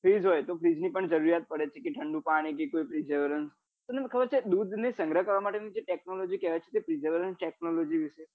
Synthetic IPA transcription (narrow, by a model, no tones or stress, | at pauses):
fʰɾid͡ʒɦojt̪ofʰɾid͡ʒnipəɳd͡ʒəɾuɾijat̪̚pəɽet͡ʃʰekeʈʰəɳɖũpaɽ̃ikekoipɾid͡ʒəʋɾəns | t̪onekʰəbəɾt͡ʃʰed̪ud̪nisə̃ŋɡɾəkəɾʋamaʈenid͡ʒeʈek̚nolod͡ʒikeʋat͡ʃʰe̥t̪epɾid͡ʒəʋɾənsʈek̚nolod͡ʒiʋiʃe